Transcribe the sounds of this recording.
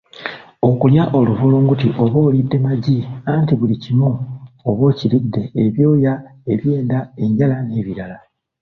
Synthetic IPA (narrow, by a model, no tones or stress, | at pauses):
o̞kuljaʔo̞luvuloːŋɡutiʔo̞βo̞ːlidːe̞maɟiantiβulicimuoβo̞ːcilidːe̞ːβjo̞ːjae̞βje̞ːndae̞ɲɟalane̞ːβiɾala